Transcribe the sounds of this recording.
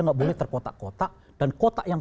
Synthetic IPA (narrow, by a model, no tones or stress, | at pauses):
ŋɡaʔbolɛht̪ərkot̪a̰ʔkot̪aʔ | d̥ankot̪aʔjaŋ